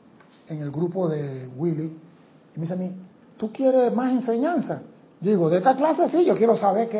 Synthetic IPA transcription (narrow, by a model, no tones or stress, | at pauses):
eŋelɡɾupoðewiliː | meis̬ami | t̪ukjeɾemasenseɲãnsa | diɣoðeet̪aklasesiʝokjeɾosaβeɾke